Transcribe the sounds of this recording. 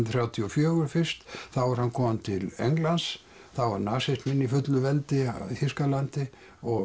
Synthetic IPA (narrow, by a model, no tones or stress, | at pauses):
θɾjawt̪ʰiɔfjœːɣʏɾfɪr̥st̪θawaɾhankʰɔːmant̪ʰɪlḛjŋklans | θawvaɾnaːsɛst̪mɪnːifʏt̪lʏvɛlt̪ɪ̰θiskalant̪ɪ | ɔ